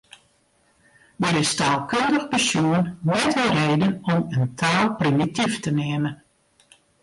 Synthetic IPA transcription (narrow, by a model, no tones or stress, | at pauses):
dəɾɪstaːlˠkøndəxbəsjuənnɛtʋɔlˠreːdənɔməntʰaːlˠprimitiftəneəmən